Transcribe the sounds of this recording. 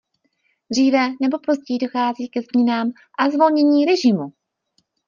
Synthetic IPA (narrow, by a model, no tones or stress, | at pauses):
d̪r̝iːvɛnɛbo̞po̞zɟɛjido̞xaːziːkɛzɲɛnaːm | ʔazvo̞lɲɛɲiːɾɛʒɪmu